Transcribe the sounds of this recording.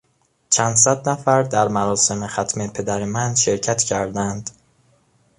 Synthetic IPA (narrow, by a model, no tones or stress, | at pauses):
t͡ʃʰænd̪sæd̪næfæɾd̪æɾmæɾɒːse̞mexæt̪ʰme̞pʰe̞d̪æɾemænʃe̞ɾcʰæt̪ʰcʰæɾd̪ænd̪